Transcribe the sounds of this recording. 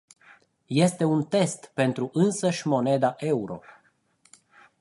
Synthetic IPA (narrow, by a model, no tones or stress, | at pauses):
je̞st̪e̞unt̪e̞st̪pe̞nt̪ɾuʔɨnsəʃʲmo̞ne̞d̪aʔe̞uɾo̞̰